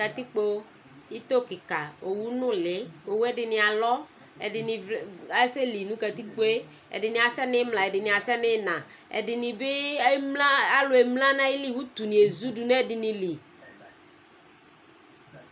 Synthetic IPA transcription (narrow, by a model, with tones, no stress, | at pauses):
ka˨t̪i˦k͡po˦ | i˦t̪o˦kɪ˨ka˨o˨wu˦nʊ̃˦lɪ˦o˨wu˦ɛ˦dɪ˨nɪ˨a˨lɔ˦ | ɛ˨dɪ˨nɪ˨a˦se˦li˨nũ˦ka˨t̪i˦k͡po˦e˦ | ɛ̰˨dɪ˨nɪ̃˨a˨sɛ˦nɪ˦mlã˨ɛ˨dɪ˨nɪ̃˨a˨sɛ˦nɪ˦nã˨ | ɛ̰˨dɪ˨nɪ̃˨bɪ˦mla˦a˦lʊ˨e˨mlã˦nã˦ɪ˦li˦wu˦t̪u˨nĩ˨e˨zu˦du˨nɛ˦˨dɪ˨nɪ̃˨li˨